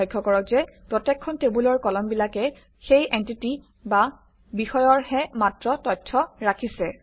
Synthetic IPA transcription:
ɔjɡʱːɔkɔɹɔkzɛpɹɔtɛkʰːɔntebulɔɹkɔlɔmbilakɛ | xejʔentiti | ba | bixɔjɔɹhɛmatɹɔtɔtʰːɔɹakʰisɛ

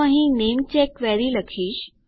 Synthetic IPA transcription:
ə̃ɦinemt͡ɕekʋɛɾiləkʰiːɕ

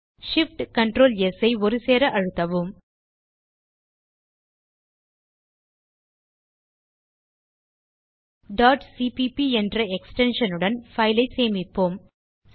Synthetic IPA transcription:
ʂɪfʈkɐɳʈɾoːljɛsɐɪɔɾɯseːɾɐʔɐɻɯt̪ːɐʋɯm | ɖaːʈsiːpipiɛndrɐɛksʈɛnʂɐnɯɽɐnfɐɪlɐɪseːmɪpːoːm

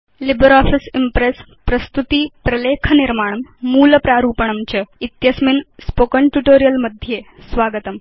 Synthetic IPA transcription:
libəɾɔːfisimpɾes | pɾɐst̪ut̪iːpɾɐleːkʰɐniɾmaːɳ̃ɐmːuːləpɾaːɾuːpəɳ̃ɐmt͡ɕɐit̪jɐsminspoːkəɳʈjuʈoːɾijəlmɐd̪ʱjeː | sʋaːɡət̪ɐm

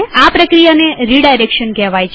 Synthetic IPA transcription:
apɾəkɾijaneɾiɽajɾekʃənkɛʋajt͡ʃʰ

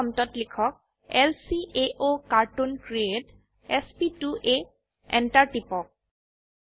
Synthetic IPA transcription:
ɔmtɔtlikʰɔk̚ | ɛlsiʔeʔokaɹtunkɹiet | ɛspituʔe | ɛ̰ntaɹʈipɔk̚

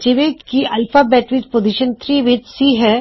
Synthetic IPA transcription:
t͡ʃɪʋekiʔɐlfabɛːʈʋit͡ʃpoːziʃənt̪ʰɾiːʋɪd͡ʒsiɦɛː

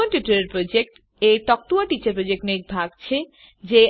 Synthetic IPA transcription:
onʈuʈoɾeɾpɾod͡ʑek̚ʈ | et̪ɔk̚t̪uaʈit͡ɕaɾpɾod͡ʑek̚ʈnek̚bʱaɡ̚t͡ɕʰe | d͡ʑe

